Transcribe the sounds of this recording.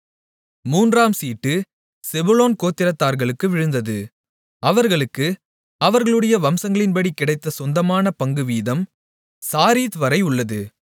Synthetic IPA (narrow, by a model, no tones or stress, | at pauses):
muːndraːmsiːʈːɯ | sɛbɯloːnkoːt̪ːɪɾɐt̪ːaːɾɣɐɭɯkːɯʋɪɻɯnd̪ɐðɯ | ɐʋɐɾɣɐɭɯkːɯ | ɐʋɐɾɣɐɭɯɽɐjɐʋɐmsɐŋɡɐɭɪnpɐɽikːɪɽɐɪt̪ːɐsɔnd̪ɐmaːnɐpɐŋɡɯʋiːðɐm | saːɾiːt̪ʋɐɾɐɪʊɭːɐðɯ